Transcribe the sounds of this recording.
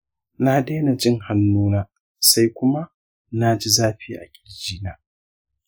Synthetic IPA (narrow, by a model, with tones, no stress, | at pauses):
na˦deː˦na˨d͡ʒɪ˦ŋha˨nːuː˦naː˦ | sa˦jkʷʊ˦ma˦ | na˦d͡ʒi˦zaː˦ɸiː˦ʔa̰˨kʲʼi̥˨d͡ʒiː˦naː˦